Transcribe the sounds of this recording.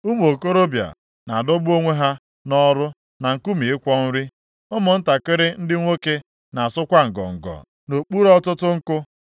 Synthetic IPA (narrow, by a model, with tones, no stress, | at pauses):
u˦m˨o˨ko˦ɾo˦bja̰˨ | na˨a˨dɔ˦bu˦o˦ŋʷe˦ɦa˦ | nɔ˦ɾʊ˦ | na˨ŋ̩˨ku˦mi˨ɪ˦kʷɔ˦n̩˦ɾi˦ | ʊ˦mʊ˨n̩˦ta˨kɪ˦ɾɪ˦n̩˦dɪ˦ŋʷe˦ke˦ | na˨a˨sʊ˦kʷa˦ŋ̩˨ɡɔ̰˨ŋ̩˨ɡɔ̰˨ | no˨k͡pu˦ɾɔ˦tʊ˦tʊ˦ŋ̩˦kʊ˦